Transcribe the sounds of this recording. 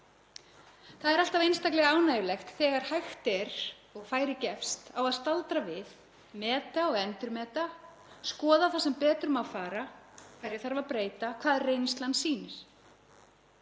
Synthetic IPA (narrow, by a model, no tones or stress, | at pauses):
θaðɛɾal̥t̪avejnst̪aklɛɣaaːwnaːjʏlɛxt̪θɛːɣaɾ̥hajxt̪ɛɾ | ɔɣfaːjɾɪcɛfst̪awaðst̪alt̪ɾavɪð | mɛːt̪aɔɣɛnt̪ʏɾmɛːt̪a | skɔːðaθasɛmpɛːt̪ɾʏmawfaːɾakʰvajɾjɪθaɾvapɾeːjt̪akʰvaːðɛɾrːejnnst̪lansiːnɪɾ̥